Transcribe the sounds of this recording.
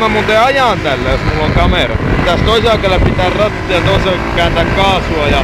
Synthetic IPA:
mæmunt̪eɑjɑˑnt̪ælːæjosmulːoŋkɑmeˑrɑ̰t̪æst̪oiselɑkelːæpit̪æːˑrrɑt̪ːiɑt̪oiselkæːnt̪ækkɑːsuɑjɑ

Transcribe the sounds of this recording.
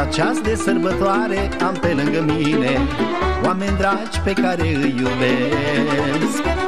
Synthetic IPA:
at͡ʃʰasd̪esəɾbət̪waːɾe | amt̪elə̃ŋɡəminewamẽnd̪ɾat͡ʃpekaɾeɨjud̪e | s

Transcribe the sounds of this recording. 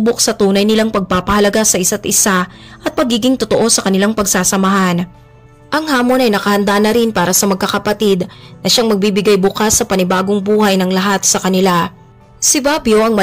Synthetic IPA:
bok̚sɐt̪uːnɐjnɪlaŋpɐɡ̚paːpɐhɐlɐɡasɐʔɪsat̪̚ʔɪsa | ʔɐt̪̚pɐɡiːɡɪŋt̪ot̪oʔo̞sɐkɐnɪlaŋpɐɡsaːsɐmɐɦan | ʔɐŋhaːmo̞nɐjnɐkɐhɐnd̪anɐɾɪnpaːɾɐsɐmɐɡ̚kːɐkɐpɐt̪id̪nɐʃaŋmɐɡ̚bibɪɡajbʊkasːɐpɐnɪbaːɡoŋbuːhɐjnɐŋlɐɦat̪̚sɐkɐnɪla | sɪbabjoʔɐŋmɐ

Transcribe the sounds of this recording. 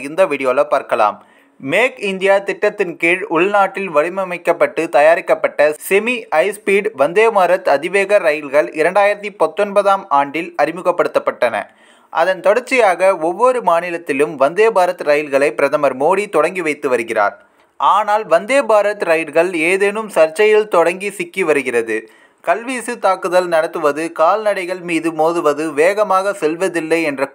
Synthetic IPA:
ɣɪnd̪ɐʋɪɽɪjoːlɐpːaːɾkɐɭa̰ːm | meːkɪnd̪ɪjaːt̪ɪʈːɐt̪ːɪnkeːɻʊɭnaːʈːɪlʋɐɻɪmɐmɐɪkːɐpːɐʈːɯt̪ɐjaːɾɪkːɐpːɐʈːɐsɛmiʔɐɪspiːɖʋɐnd̪eːmaːɾɐt̪ɯɐðɪʋeːɣɐɾɐjɪlɣɐɭɪɾɐɳɖaːjɪɾɐt̪ːipɐt̪ːɔnbɐðaːmaːɳɖɪlɐɾɪmɯɣɐpːɐɽɯt̪ːɐpːɐʈːɐnɐ̰ | ʔɐ̰ðɐnt̪ɔɽɐɾt͡ʃːɪjaːɣɐɔʋːɔɾɯmaːnɪlɐt̪ːɪlɯmʋɐnd̪eːbaːɾɐt̪ɯɾɐjɪlɣɐɭɐɪpːɪɾɐðɐmɐɾmoːɽit̪ɔɽɐŋɡiʋɐɪt̪ːɯʋɐɾɯɣɪra̰ːɾ | ʔaːnaːlʋɐnd̪eːbaːɾɐt̪ɯɾɐjɪɭɣɐɭeːðeːnɯmsɐɾt͡ʃɐjɪlt̪ɔɽɐŋɡisɪkːiʋɐɾɯɣɪrɐðɯ | kɐlʋiːsɯt̪aːkɯðɐlnɐɽɐt̪ːɯʋɐðɯkaːlnɐɽɐɪɣɐɭmiːðɯmoːðɯʋɐðɯʋeːɣɐmaːɣɐsɛlʋɐðɪlːɐɪɛndrɐ

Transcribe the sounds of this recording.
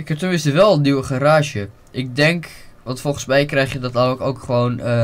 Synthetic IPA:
ɪkɦɛp̚təmɪnstəʋɛlˠniwəχaɾaːʒjə | ʔɪk̚dɛŋkʋɑntfɔlˠχənsmɛjkrɛjχjədɑtɛəkowkχəʋownə

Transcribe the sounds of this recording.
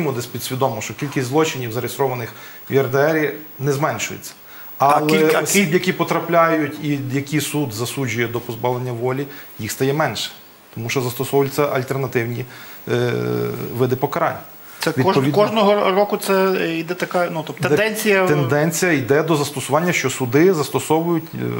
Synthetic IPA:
mud̪ɛsʲpʲid̪sʲʋʲid̪ɔmɔʃt͡ʃɔkʲilʲkʲisʲt̪ʲzlˠɔt͡ʃɪnʲiwzɐɾɪst̪ɾɔʋɐnɪxʲiɐrd̪eɛɾʲinɛzmɛnʃʊjḛt͡sʲːɐ̥ | ɑlˠɛɔssʲibjɐkʲipɔt̪ɾɐplʲajʊtʲijɐkʲisud̪zɐsud͡ʒʊjɛd̪ɔpɔzbɑʋlˠenʲːɐʋɔlʲijixst̪ɐjɛmɛnʃɛ̥ | t̪ɔmuʃɔzɐst̪ɔsɔʋʊlʲt͡ssʲɐʔɐlʲt̪ernɐt̪ɪwnʲi | ʋɪd̪ɪpɔkɐɾɑ̰nʲːɐ | sɛʋʲidɔpɔʋʲidkɔʒnɔɦɔrɔkʊt̪sɛid̪ɛt̪ɐkanut̪ɔt̪d̪ɛnd̪ɛd̪ɛnʲt͡sʲijɐt̪end̪ɛnʲt͡sʲijɐid̪ɛd̪ɔzɐst̪ɔsʊʋɑnʲːɐʃt͡ʃɔsʊd̪ɪzɐst̪ɔsɔʋʊjʊtʲ

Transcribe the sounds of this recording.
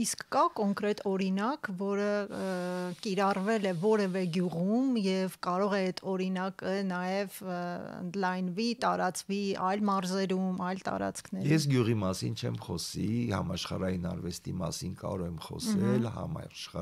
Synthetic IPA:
iskːɑkɔŋkɾɛt̪ʰɔɾinɑkvɔɾə | kiɾɑrvɛlɛvɔɾɛvɛɡjuʁumjɛvkɑɾɔʁɛɛt̪ʰɔɾinɑkənɑjɛvə̰nd̪lɑjnvit̪ɑɾɑt͡sviʔɑjlmɑɾzɛɾumɑjlt̪ɑ̰ɾɑ̰t͡sʰkʰnɛjɛs̬ɡjuʁimɑsint͡ʃʰɛmχɔsihɑ̰mɑʃχɑɾɑjinɑ̰ɾvɛst̪imɑ̰sinkɑ̰ɾɔvɛmχɔ̰sɛlhɑ̰mɑ̰ʃχɑ

